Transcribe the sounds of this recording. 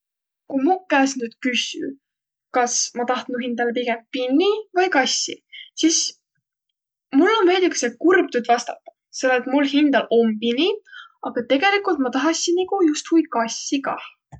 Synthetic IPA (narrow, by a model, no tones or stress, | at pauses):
kujmukæːsnyːd̪̥̚kysy̰ | kɑsmɑt̪ɑht̪nuɦind̪̥ɑlepiɡe̞mpinːivɑjkɑsːisis | mulːomejd̪iksekurb̥̚t̪ud̪vɑst̪ɑt̪ˑːɑ̥ | selet̪mulhind̪ɑlʔo̞mpiniɑɡ̥ɑt̪e̞ɡe̞likːˑult̪mɑt̪ɑɦɑsʲinikujust̪hujkɑsʲːikɑ̰